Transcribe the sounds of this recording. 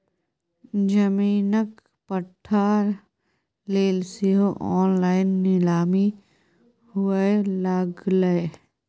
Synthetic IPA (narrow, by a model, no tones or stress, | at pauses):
d͡ʒəmiːnək | pəʈʰːaːɾ | leːlsiɦoʔɔːnlaːɪnːɪlaːmi | hʊeelaːɡləe